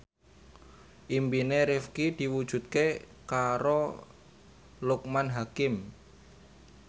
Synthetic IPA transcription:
ʔimbineɾɪfkid̪̥i̤wud̥ʒ̥ṳt̪̚ke | kaɾo | luk̚manɦakɪm

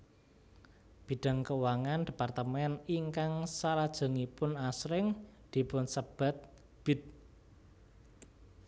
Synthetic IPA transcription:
b̥i̤ɖ̥a̤ŋkəwaŋand̪̥i̤part̪əmɛniŋkaŋsalad̥ʒ̥ɔ̤ŋipʊnasɾɪŋd̪̥i̤pʊnsəb̥a̤t̪̚ | b̥ɪ̤t̪̚

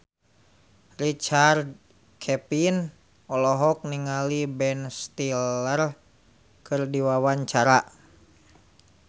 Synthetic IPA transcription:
rit͡ʃard̪̚ | kʰɛpin | ɔlɔɦɔk̚niŋalibɛnst̪ilər | kɨrdiwawaɲt͡ʃaɾa

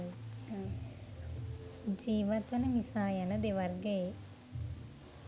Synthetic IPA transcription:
d͡ʒiːʋɐt̪wɐnɐmisaːjɐnɐd̪eʋɐɾɡej

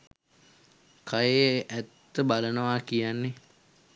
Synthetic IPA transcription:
kʰajeʔæt̪ːəbalənəʋaːkijanːe

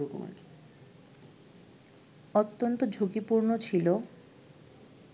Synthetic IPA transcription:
oko̰ma̰ki̥ | ɔt̪ːont̪od͡ʑʱoɡipuɾnot͡ɕʰilo

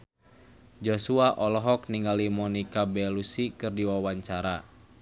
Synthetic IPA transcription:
d͡ʒosuaʔɔlɔɦɔkniŋɡalimɔnikabɛlusikɨrdiwawaɲt͡ʃaɾa

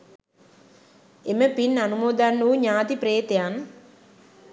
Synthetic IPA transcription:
eməpinːanumoːd̪anːuːɲaːt̪ipɾeːt̪ejan

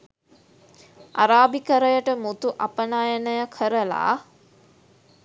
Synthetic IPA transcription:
ʔa̰ɾaːbikəɾəjəʈəmut̪uʔapənaːjənəjəkʰəɾəla̰ː

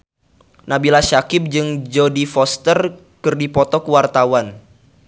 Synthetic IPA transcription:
nabilaʃakɪp̚d͡ʒɨŋd͡ʒodifɔst̪ər | kɨrdipɔt̪ɔkəwart̪awan

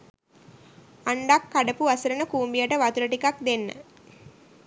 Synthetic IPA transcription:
aɳɖakːaɖəpuasəɾənəkuːmbijəʈəʋat̪uɾəʈikak̚d̪enːə̰

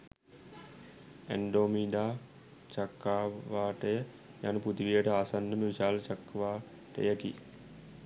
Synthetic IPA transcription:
æ̰ɳɖoːmiːɖaː | t͡ʃakːaːʋaːʈəjə | ja̰nuput̪iʋijəʈəaːsand̪əməʋiʃaːlət͡ʃakːʋaː | ʈə̰jəki

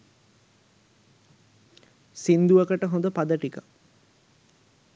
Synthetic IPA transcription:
sind̪uʋɐkəʈəɦõnd̪əpad̪əʈikə

